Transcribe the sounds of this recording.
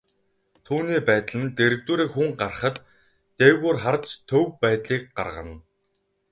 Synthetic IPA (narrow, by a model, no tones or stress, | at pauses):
t̪ʰuːniːpæːt̪ɮɘ̆nt̪eɾɘ̆k̚t̪uɾiːkxuŋɢarχə̆t̪ː | ewɣoːrχart͡ɕt̪ʰːɵwpæːt̪ɮiːk̚ɢa̰rʁə̰̆n